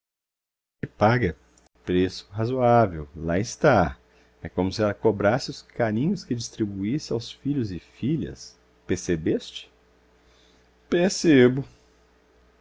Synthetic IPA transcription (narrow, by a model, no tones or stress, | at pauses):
ɪpaɡɐ | pɾesʊ̥ɦazoavewlaɪst̪a | ɛkõmʊsɪɛlɐkobɾasɪʊskaɾĩɲʊskɪd͡ʒist̪ɾibuisɪawsfiʎʊzɪfiʎɐ̰s | peɾsebest͡ʃɪ̥ | peɾsebʊ